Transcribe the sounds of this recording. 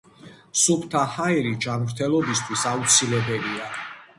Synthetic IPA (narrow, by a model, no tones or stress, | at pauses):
supʰt̪ʰahaɛɾid͡ʒamɾt̪ʰɛlˠɔbist̪ʰwisaut̪sʰilɛbɛlia